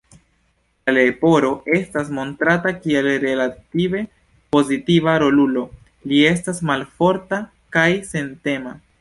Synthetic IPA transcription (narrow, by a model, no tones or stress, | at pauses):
lale̞po̞ɾo̞ʔe̞stas̬mo̞ntɾatakie̞lɾe̞lative̞ | po̞zitivaɾo̞lulo̞ | lie̞s̬tasmalfo̞ɾta | kajse̞nte̞ma